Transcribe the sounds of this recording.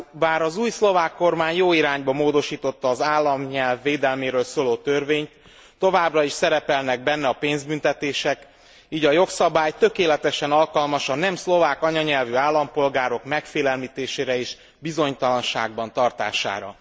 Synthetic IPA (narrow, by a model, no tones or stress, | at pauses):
baːɾɒzuːjslo̞vaːkːo̞rmaːɲjoːiɾaːɲbɒmoːd̪o̞ʃiːt̪o̞t̪ːɒːzaːlːɒmɲɛlvːeːd̪ɛlmeːɾøːlsoːloːt̪ørveːɲt̪ | t̪ːo̞vaːbrɒiʃsɛɾɛpɛlnɛɡ̚bɛnːɛɒpeːnzbynt̪ɛt̪eːʃɛk | iːɟɒjo̞ksɒbaːjt̪ø̞keːlɛt̪ɛʃɛnɒlkɒlmɒʃɒnnɛmslo̞vaːkɒɲɒɲɛlvyaːlːɒmpo̞lɡaːɾo̞kmɛkfeːlɛlmiːt̪eːʃeːɾɛeːʃ | bizo̞ɲt̪ɒlɒnʃa̰ːɡ̚bɒn̪t̪ɒrt̪a̰ːʃa̰ːɾɒ̰